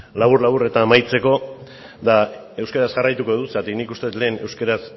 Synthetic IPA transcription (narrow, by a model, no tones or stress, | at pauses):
laβuɾlaβuret̪amajt͡se̞ko̞ | ða | e̞wskaɾazʝarajt̪uko̞ðusat̪iknikust̪eut̪le̞ːne̞wskaɾas